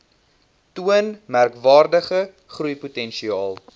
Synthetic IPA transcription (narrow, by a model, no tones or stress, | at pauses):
tuənmærkvɑːrdəχə | χrujputɛnʃiɑːlˠ